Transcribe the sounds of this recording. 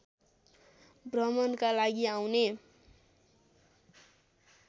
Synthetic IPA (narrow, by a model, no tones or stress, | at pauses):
brʌmʌnkalaɡiawne